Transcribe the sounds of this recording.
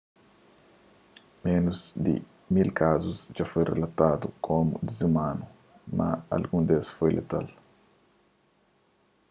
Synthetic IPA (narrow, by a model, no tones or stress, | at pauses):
menuzd̪ɪ̰ | milkʰazusd͡ʒafojrḛlat̪ad̪ukʰomud̪izimanu | maa̰lɡũnd̪esfojlḛt̪a̰l